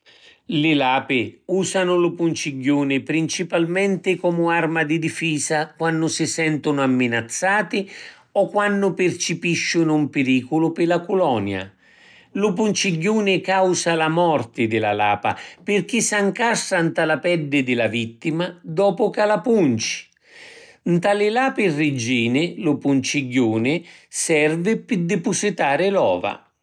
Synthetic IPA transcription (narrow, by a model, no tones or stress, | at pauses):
lɪlaːpɪuːsanʊlʊpunt͡ʃiɟːuːnɪpɾint͡ʃipalmɛnt̪ɪkɔːmʊarmad̪id̪ifiːsakwanːʊsisɛnt̪ʊnʊamːɪnat̪sːaːt̪ɪ | ɔkːwanːʊpɪrt͡ʃɪpiʃːʊnʊumpɪɾiːkʊlʊpɪlakʊlɔːnja̰ | lʊp̬unt͡ʃiɟːuːnɪkawsalamɔrt̪ɪd̪ɪla̰laːpa̰pɪrk̟isːaŋkasːant̪alapɛɖːɪd̪ɪlavit̪ːimad̪ɔːpʊkalapunt͡ʃi̥ | nt̪alɪlaːpɪrːɪd͡ʒiːnɪlʊpunt͡ʃiɟːuːnɪsɛrvɪpɪd̪ɪpʊsit̪aːɾɪlɔ̰ːva̰